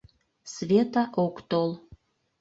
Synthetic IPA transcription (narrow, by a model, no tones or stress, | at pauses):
sβʲet̪ɑʔokt̪olˠ